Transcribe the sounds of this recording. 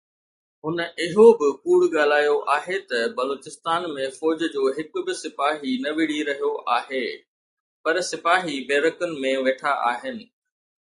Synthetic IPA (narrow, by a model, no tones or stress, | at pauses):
ɦʊnɪɦobɪkuːɽɠaːl̤aːjoʔaːɦet̪ɐbɐloːt͡ɕɪst̪aːnmẽfɔːd͡ʑd͡ʑoːɦɪkʊ̆bɪsɪpaːɦinɐʋɪɽ̤iɾɐɦijoʔaːɦeː | pɐɾsɪpaːɦibeːɾəkʊnɪ̆mẽʋeːʈʰaʔa̰ːɦɪnɪ̆